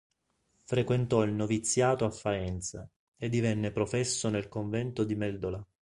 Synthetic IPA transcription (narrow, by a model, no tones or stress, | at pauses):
fɾekwent̪ɔilnovit̪sːjaːt̪oafːaɛnt̪sa | ed̪ːivɛnːepɾofɛsːonelkoɱvɛnt̪od̪imɛld̪ola